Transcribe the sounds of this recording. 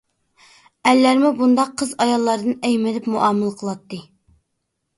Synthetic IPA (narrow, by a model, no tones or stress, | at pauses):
ɛlːæɾmubund̪ɑqʰːəzɑjɑlˠːɑɾd̪ɨnɛjmɪlɪpmuʔɑmɨlˠqʰəlˠɑt̪ːɨ